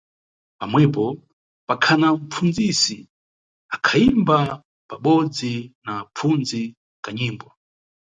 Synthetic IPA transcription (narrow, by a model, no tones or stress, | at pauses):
pamwɛpɔ | pakʰanam̩p͡fund͡zisi | akʰaimba | paɓɔd͡zinap͡fund͡zi | kaɲiːmbwa